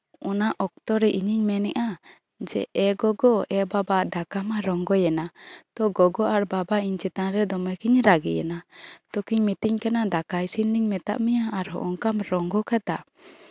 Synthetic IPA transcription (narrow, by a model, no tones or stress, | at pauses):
ɔnaʔɔk̚t̪ɔɾɛʔiɲiɲmɛnɛʔa | d͡ʒɛ̰ɛɡɔɡɔɛbabad̪akamaɾɔŋɡɔjɛnat̪ɔɡɔɡɔʔaɾbabaiɲt͡ʃɛt̪anɾɛd̪ɔmɛkiɲɾaɡḭjɛ̰nat̪ɔkiɲmit̪iɲkanad̪akajsinniɲmɛt̪a̰ʔmɛjaaɾɦɔ̰ʔɔŋkamɾɔŋɡɔkat̪a